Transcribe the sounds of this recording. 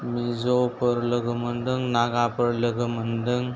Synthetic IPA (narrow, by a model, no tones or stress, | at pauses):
mid͡zopəɾləɡmənd̪əŋɡnaɡapəɾləɡəmənd̪əŋɡ